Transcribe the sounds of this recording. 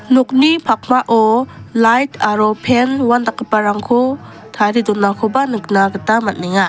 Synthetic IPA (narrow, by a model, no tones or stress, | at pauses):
nuk̚nipʰak̚maʔɔlajtʰaɾɔpʰenwandakːɯpaɾaŋkʰo | tʰaɾidɔnːakʰɔbanɯk̚naɡɯtamat̚niŋa